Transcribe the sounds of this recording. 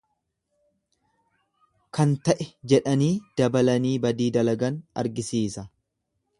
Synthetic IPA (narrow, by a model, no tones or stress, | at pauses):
kɐnt̪ɐʔɛd͡ʒɛᶑɐniːd̪̥ɐbɐlɐniːbɐd̪iːd̪ɐlɐɡɐnɐ̰ɾɡɪsiːsɐ